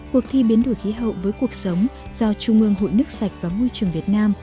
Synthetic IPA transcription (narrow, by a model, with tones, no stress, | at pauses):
ku˨˩ək̚t̪ʰi˧ɓi˨˦ənɗo˧˩jxi˨˦ɦə̰˧˨wvəː˨˦jku˨˩ək̚sə˨˦wŋ͡mz̥ɔ˧t͡ɕu˧˩ŋ͡mʔɨ˧əŋɦo̰˧˨jnɨ˦˥ək̚sa˨˩jk̚vaː˨˩mo˧jt͡ɕɨ˨˩əŋvi˨˩ət̚naː˧m